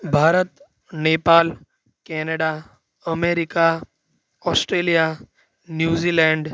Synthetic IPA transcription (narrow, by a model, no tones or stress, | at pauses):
bʱaːɾət̪ | neːpaːl | kɛːnəɖa | ɐmeːɾɪka | ɔːsʈɾeːlija | njuːziːlɛ̃ːɳɖ